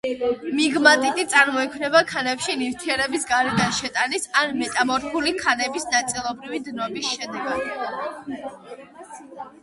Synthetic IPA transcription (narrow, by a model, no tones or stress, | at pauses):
miɡmat̪ʼit̪ʼit̪sʼaɾmɔɛkʰwmnɛbakʰanɛpʃinivt̪ʰiɛɾɛbisɡaɾɛd̪anʃɛt̪ʼanisanmɛt̪ʼamɔɾkulikʰanɛbisnat̪sʼilˠɔbɾivid̪nɔbisʃɛd̪ɛɡad̪